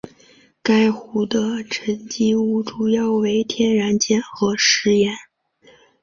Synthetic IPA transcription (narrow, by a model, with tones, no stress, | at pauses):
ka˥ɪxu˧˥d̪ə˧ʈ͡ʂʰə˧˥nt͡ɕi˥u˥˩ʈ͡ʂu˨˩jɑ˥˩ʊwe˧˥ɪt̪ʰjɛ˥nɻa˧˥nt͡ɕjɛ˥nxɤ˧˥ʂɻ̩˧˥jɛ˧˥n